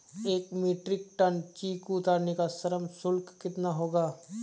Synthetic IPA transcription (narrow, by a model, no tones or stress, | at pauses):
eːkmeːʈɾɪk̚ʈənt͡ʃiːkuːt̪aːɾnekasɐɾəmsʊlkːɪt̪naɦoːɡaː